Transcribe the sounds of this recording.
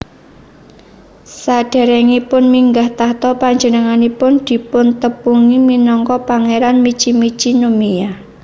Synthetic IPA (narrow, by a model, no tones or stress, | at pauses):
saɖ̥a̤ɾɛŋipʊnmiŋɡaht̪aht̪ɔpaɲd͡ʒənəŋanipʊnd̪̥i̤pʊnt̪əpuŋiminɔŋkɔpaŋeɾanmit͡ʃimit͡ʃinomija